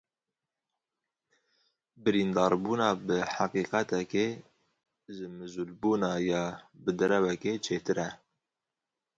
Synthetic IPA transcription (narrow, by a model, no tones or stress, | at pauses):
bɨɾiːnd̪ɑːɾbuːnɑːbɨħaqiːqɛt̪ɛkeː | ʒɨmɨzuːlbuːnɑːjɑːbɨd̪ɛɾɛwɛket͡ʃʰeːt̪ɨɾɛ